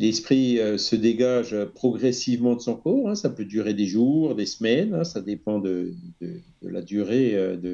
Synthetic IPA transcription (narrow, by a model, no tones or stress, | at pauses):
lɛspχiøsəd̪eɡaʒøpχɔɡʁɛsivmɑ̃d̪əsɔ̃kɔːʁɛ̃sapød̪yʁed̪eʒuʁd̪esmɛnɛ̃sad̪epɑ̃d̪əd̪əd̪ə̰la̰d̪yʁeød̪ə